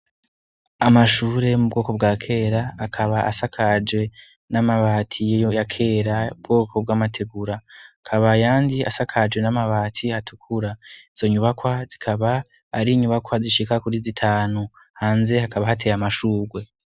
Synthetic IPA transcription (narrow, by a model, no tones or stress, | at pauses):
amaʃuːɾe̞mub̚ɡo̞ːko̞b̚ɡaːkʰe̞ːɾaːkʰaβaʔasakʰad͡ʒɡe̞ | namaβaːtʰijojojakʰe̞ːɾaubɡo̞ːkʰo̞b̚ɡaːmatʰe̞ɡuɾakʰaβajaːndia̰sakʰad͡ʒwe̞namaβaːtʰihatʰukʰuɾaiz̥o̞ɲuβakwazikʰaβaː | ɾiɲuβakwaziʃikakuɾizitʰaːnu | haːnze̞hakʰaβahatʰe̞jamaʃuːɾwe̞